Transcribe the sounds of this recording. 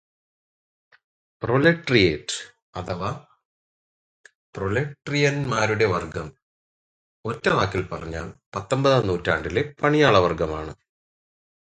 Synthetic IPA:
proleʈːrijeːʈː | ɐt̪ʰɐʋa | proleʈrijɐnmaːɾuɽe̞ʋɐrɡɐm | o̞tːɐʋaːkːilpɐrɐɲːa̰ːɭpɐt̪ːombɐðɐnːuːtːaːɳɖilepɐɳijaːɭɐʋɐrɡɐmaːɳɨ

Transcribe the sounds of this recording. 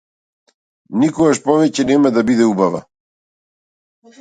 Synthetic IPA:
nikɔɡaʃpɔvɛcɛnɛmad̪abid̪ɛubava̰

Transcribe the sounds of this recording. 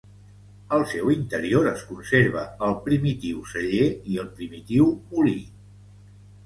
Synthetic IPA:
əlˠsɛwint̪əɾioɾəskunseɾβəəlˠpɾimit̪iwsəʎeiəlˠpɾimit̪iwuli

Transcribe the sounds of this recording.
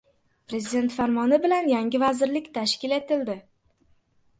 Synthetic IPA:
pɾe̞zɪd̪e̞nt̪faɾmɒnɪbɪlanjaŋʲɪvazɪɾlɪkʲt̪ʰaʃkʲɪle̞t̪ɪld̪ɪ

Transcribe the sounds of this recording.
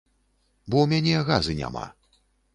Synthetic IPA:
bɔwmʲanʲɛɣazɨnʲa̰ma̰

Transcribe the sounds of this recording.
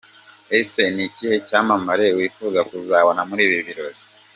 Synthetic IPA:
ese̞niciːhe̞caːmamaɾe̞wiːfuːɡakuzaːβonamuɾiːβiβiɾo̞ɾi

